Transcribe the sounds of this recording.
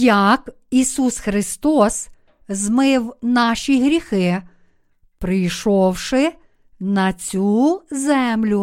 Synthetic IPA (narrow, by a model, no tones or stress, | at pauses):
jɐk | isusxɾɪst̪ɔs | zmɪwnɑʃʲiɦɾʲixɪ | pɾɪjʃɔwʃɪ | nɐt͡sʲuzɛmlʲu